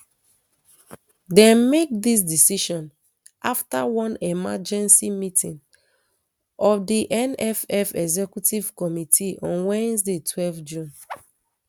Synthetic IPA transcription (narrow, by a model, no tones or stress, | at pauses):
dɛ̃nmek̚dis̬disiʃɔ̃n | ʔaftawɔ̃nɛmad͡ʒɛ̃nsimitʰĩn | ɔfdiʔɛ̃nɛfɛfɛɡzɛkjutivkɔmitʰiʔɔ̃nwɛ̃ns̬detʰwɛlfd͡ʒũn